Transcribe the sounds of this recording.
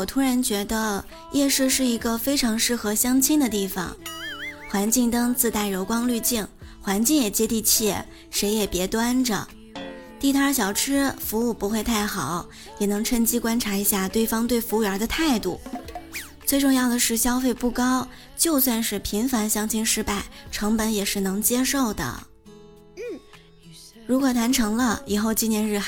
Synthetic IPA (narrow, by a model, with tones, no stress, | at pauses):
wɔ˨˩t̪ʰu˥ɻa˧˥nt͡ɕɥɛ˧˥d̪ə˧ | jʔɛ˥˧ʂɻ̩˥˧ʂɻ̩˥˩i˧˥ɡə˧fe˥ɪʈ͡ʂʰɑ˧˥ŋʂɻ̩˥˩xɤ˧˥ɕjɑ˥ŋt͡ɕʰi˥ŋd̪ə˨t̪i˥˩fɑ̰˨˩ŋxwa˧˥nt͡ɕi˥˧ŋt̪ɤ˥ŋt͡sɹ̩˥˧t̪a˥˩ɪɻo˧˥ʊkwɑ˥ŋly˥˧t͡ɕi˥˩ŋ | xwa˧˥nt͡ɕi˥˩ŋjɛ˨˩t͡ɕjɛ˥t̪i˥˧t͡ɕʰjɛ˥˩ | ʂe˧˥ɪjɛ˨˩pjɛ˧˥t̪wa˥nʈ͡ʂə̰˩ | t̪i˥˩˧t̪ʰa˥ɕ̬jɑ˨˩ʊʈ͡ʂʰɻ̩˥fu˧˥u˥˩pu˧˥xwe˥˧ɪt̪ʰa˥˩ɪxɑ˨˩˦ʊ | jɛ˨˩nɤ˧˥ŋʈ͡ʂʰə˥˧ŋt͡ɕi˥kwa˥nʈ͡ʂʰa˧˥i˧˥ɕja˥˧t̪we˥˩ɪfɑ˥ŋt̪we˥˩ɪfu˧˥y˩ə˞˧˥d̪ə˧t̪ʰa˥˧ɪt̪u˥˩ | t͡swe˥˧ɪʈ͡ʂʊ˥˧ŋjɑ˥˩ʊd̪ə˩ʂɻ̩˥˩ɕjɑ˥ʊfe˥˧ɪpu˥˩kɑ˥ʊ | t͡ɕjo˥˧ʊswa˥˧nʂɻ̩˥˩pʰi˧˥ŋfa˧˥nɕjɑ˥ŋt͡ɕʰi˥ŋʂɻ̩˥˧pa˥˩ɪʈ͡ʂʰɤ˧˥ŋpə˧˥njɛ˨˩ʂɻ̩˥˩nɤ˧˥ŋt͡ɕjɛ˥ʂo˥˩ʊd̪ə̰˩ | ɻu˧˥kwɔ˨˩t̪ʰwa˧˥nʈ͡ʂʰɤ˧˥ŋlə˧i˨˩xo˥˧˩ʊt͡ɕi˥njɛ˧˥nɻ̩˥˧